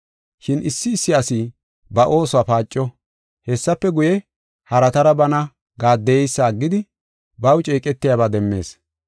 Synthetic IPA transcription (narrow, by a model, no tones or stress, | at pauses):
ʃɪnʔɪsːɪːsːɪɐsi | bɐʔo̞ːsʊaːpaːt͡ʃʼːɔ | hɛsːɐpːɛɡʊjɛ | hɐɾɐt̪ɐɾɐbɐnɐ | ɡaːd̪ːɛjɛjsːaːɡːɪd̪ɪ | bɐwt͡ʃʼeːkʼɛt̪ːɪjaːbaːd̪ɛmːe̞ːs